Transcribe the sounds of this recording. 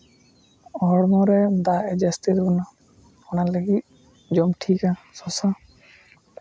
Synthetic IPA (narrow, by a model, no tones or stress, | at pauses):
ɔɽmɔɾɛd̪aɛd͡ʒast̪iɾbɔna | ɔnaleɡit̪̚ | d͡ʒɔmʈʰikasɔsa